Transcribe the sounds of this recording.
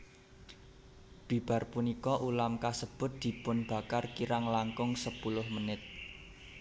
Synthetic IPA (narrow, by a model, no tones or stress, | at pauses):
b̥i̤b̥a̤rpunikɔʔulamkasəb̥ʊ̤t̪̚d̪̥i̤pʊnb̥a̤karkiɾaŋlaŋkʊŋsəpulʊhmənɪt̪̚